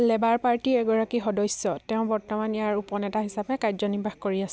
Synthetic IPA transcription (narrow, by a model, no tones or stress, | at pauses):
lɛbaɹpaɹtiɛɡɔɹakixɔdɔjsjɔtɛ̃ʊ̃bɔɹtɔmanjaɹupɔnɛtaɦisapɛkajzɔnibʱaxkoɹiasɛ